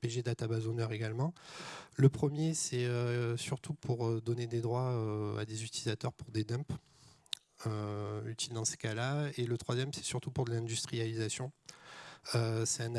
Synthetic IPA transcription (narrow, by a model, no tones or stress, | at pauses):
peʒed̪at̪abazonœʁeɡalmɑ̃ləpχəmjesɛøsyʁt̪upʰuʁød̪ɔned̪ed̪ʁwaøa̰d̪ezyt̪ilizat̪œʁpuʁd̪ed̪ɛ̃p | øyt̪ild̪ɑ̃sə̥kalaelət̪χwazjɛmsɛ̥syʁt̪upuʁd̪əlɛ̃d̪yst̪χijalizasjɔ̃ | øsɛɛ̃na